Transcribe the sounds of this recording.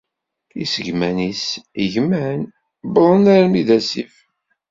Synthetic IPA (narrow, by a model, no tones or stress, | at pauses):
ḭsəʝmænisiʝmæn | blˤənæɾmiðæsif